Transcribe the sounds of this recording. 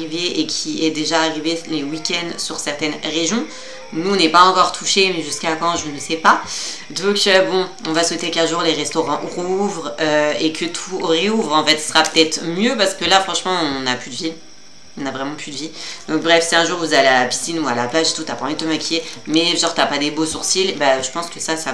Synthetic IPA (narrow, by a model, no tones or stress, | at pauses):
iveʔekʲʰiɛd̪eʒaːʁivelewikʲɛnd̪syʁsɛʁt̪ɛnʁeʒjɔ̃ | nuɔ̃nɛpaɑ̃kɔʁt̪ʰuʃemɛʒyskakɑ̃ʒənəsɛpa | d̪ɔ̃købɔ̃ɔ̃vaswɛt̪ekãʒuʁleʁɛst̪ɔʁɑ̃ʔʁuvʁøekʰət̪ʰuoʁeuvʁɑ̃fɛt̪sə̥sʁapə̥t̪ɛt̪χmjøpaʁsə̥kəlafχɑ̃ʃmɑ̃ɔ̃naplyd̪əvi | ɔ̃navʁɛmɑ̃plyd̪əvid̪̥ɔ̃k̚bʁɛfsɛɛ̃ʒuʁuzaalealapi̥sinualaplaʒet̪ut̪yapaɑ̃vid̪t̪əmakʲʰijemɛʒɑ̃ʁt̪yapad̪ebosuʁsilbaʒəpɑ̃skəsasa